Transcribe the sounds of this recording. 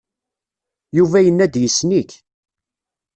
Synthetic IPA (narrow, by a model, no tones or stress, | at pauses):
juvæjənːæd̪jəsːnik